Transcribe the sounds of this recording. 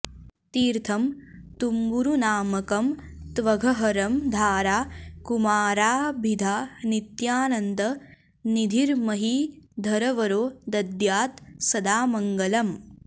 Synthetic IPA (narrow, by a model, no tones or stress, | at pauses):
t̪iːɾt̪ʰɐmt̪umbuɾunaːmɐkɐmt̪ʋɐɡʱɐɦɐɾɐmd̪ʱaːɾaːkumaːɾaːbʱid̪ʱaːnit̪jaːnɐnd̪ɐ | nid̪ʱiɾmɐɦid̪ʱɐɾɐʋɐɾoːd̪ɐd̪jaːt̪sɐd̪aːmɐŋɡɐlɐm